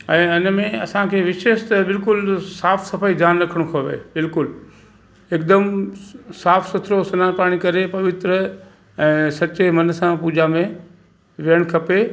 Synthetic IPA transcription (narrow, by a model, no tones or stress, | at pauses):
ɛ̃ːɪnmẽɐ̰sãkʰeːʋɪʃeːʃt̪əbɪlkʊlsaːfsɐfaːid͡ʑjaːnɾɐkʰəɽ̃õkʰɐʋḛbɪlkʊl | eːkd̪əm | saːfʰsʊt̪ʰɾosʊnaːnpaːɽ̃ikɐɾepɐʋɪt̪ɾə | ɛ̃ːsɐt͡ɕemɐn̆sãpuːd͡ʑamẽ | ʋiəɽ̃kʰɐpe